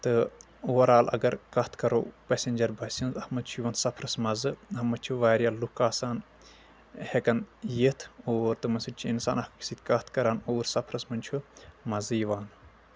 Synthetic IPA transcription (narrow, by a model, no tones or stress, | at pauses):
t̪ɨ | oːɾaːlɐ̰ɡɐɾkɐht̪ʰkɐɾo̰ːpesʲenʲd͡ʒɐɾbʱɐsʲinzɐhmɐd̪t͡ʃʰujʋɐnsɐpʰɾɐsmɐzɨɦɐmɐt͡ʃʰuʋaːɾʲjalukaːsaːn | hekɐnjit̪ʰoːɾt̪ɨmɐsit͡ʃʰuinsa̰ːnɐhkksit̪ʲkɐht̪ʰkɐɾaːnoːɾsɐpʰɾɐsmɐnʲt͡ʃʰumɐzɨːʋaːn